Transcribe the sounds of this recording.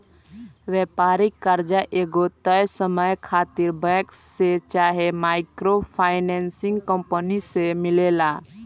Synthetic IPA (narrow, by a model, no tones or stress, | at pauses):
ʋɛːpaːɾɪkːəɾd͡ʒaʔeːɡot̪əjsəməjkʰaːt̪ɪɾbɛ̃kset͡ʃaːɦemaːɪkɾopʰaːɪnɛ̃ːnsɪ̃ŋɡkə̃mpənisemɪleːlaː